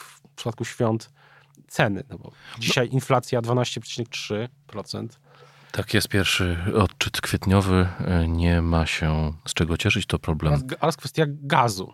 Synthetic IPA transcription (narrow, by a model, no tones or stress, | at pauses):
fpʂpat̪̚kuɕfʲjɔnt̪ | sɛnɘ̰nɔbɔ̰d͡ʑiɕajʔinflat̪sʲjad̪vanaɕt͡ɕɛpʂɛ̥t͡ɕinɛk̚tʂɘpɾɔt̪sɛ̰nt̪ | t̪akjɛst̪̚pʲjɛɾfʂɘɔtt͡ʂɘt̪kfʲjɛt̪ɲɔvɘɲɛmaɕɛst͡ʂɛɡɔt͡ɕɛʂɘt͡ɕt̪ɔpɾɔblɛmɔɾaskfɛst̪ʲjaɡazṵ